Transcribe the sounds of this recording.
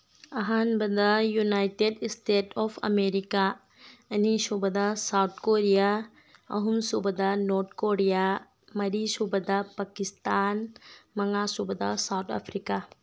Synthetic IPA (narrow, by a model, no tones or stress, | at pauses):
ɐɦanbɐd̪ajunajʈeɖsʈeːʈɔfʰɐ̰meɾika | ɐnisubɐd̪asawt̪̚koɾija | ɐ̰ɦumsubɐd̪anoːɾt̪ʰkoɾija | mɐɾisubɐd̪apakist̪aːnmɐŋasubɐd̪a̰sawt̪ʰa̰fʰɾika